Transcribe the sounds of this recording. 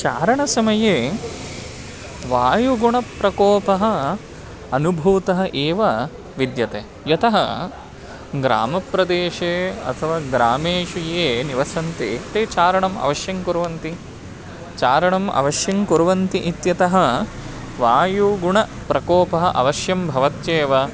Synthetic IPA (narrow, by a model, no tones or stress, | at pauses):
t͡ʃaːɾɐɳɐsɐmɐjeː | ʋaːjuɡuɳɐpɾɐkɔːpɐɦɐ̆ | ɐnubʱuːt̪ɐɦɐ̆ʔeːʋɐ | ʋid̪jɐt̪eː | jɐt̪ɐɦɐ | ɡɾa̰ːmɐpɾɐd̪eːʃeːɐ̰t̪ʰɐʋaːɡɾaːmeːʂujeːniʋɐsɐnt̪et̪eːt͡ʃaːɾɐɳɐmɐ̰ʋɐʃjɐŋkuɾuʋɐnt̪i | t͡ʃaːɾɐɳɐmʔɐ̰ʋɐʃjɐŋkuɾuʋɐnt̪iʔit̪jɐt̪ɐɦɐ̆ | ʋaːjuɡuɳɐpɾɐkɔːpɐɦɐʔɐ̰ʋɐʃjɐmbʱɐʋɐt̪jeːʋɐ